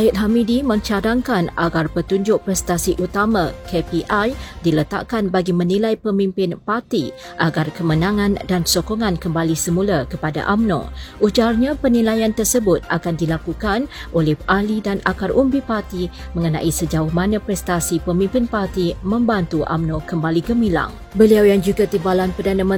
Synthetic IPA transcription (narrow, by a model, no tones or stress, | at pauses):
ajɪt̪̚ɦamidimə̃ɲt͡ʃadaŋkanʔaɡarpət̪uɲd͡ʒʊk̚pɾɛst̪asiʔut̪amãkepiʔajdilət̪a̰ʔkanbaɡimənilajpəmimpɪnpart̪i | ʔaɡarkəmənãŋãndansokoŋankəmbalisəmulakəpada̰ʔamnõ̰ʔud͡ʒarɲapənilajant̪ərsəbʊt̪̚a̰kandilakukanʔolɛhʔalidanakarʔumbipart̪i | mə̃ŋənã̰ʔisəd͡ʒaʊhmanə̃pɾɛst̪asipəmĩmpɪnpart̪imə̃mbant̪uʔa̰mnokəmbaliɡəmila̰ŋ | bəliawjaŋd͡ʒuɡat̪imbalanpərdanəmə